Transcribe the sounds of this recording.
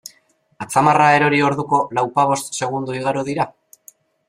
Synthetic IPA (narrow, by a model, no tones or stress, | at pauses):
at͡samarae̞ɾo̞ɾio̞ɾðuko̞lawpaβ̞o̞st̪se̞ɣ̞und̪uiɣ̞aɾuðiɾa